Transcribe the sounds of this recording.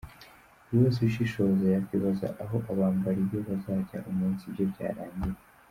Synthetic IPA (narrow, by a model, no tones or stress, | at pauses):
woːs̬iʃiʃo̞zajakkwiːβaza̰ʔaɦo̞ʔaβaːmbaɾibjoβazaːɟa̰ʔumuːnsibɟo̞bɟa̰ːɾaːɲɟije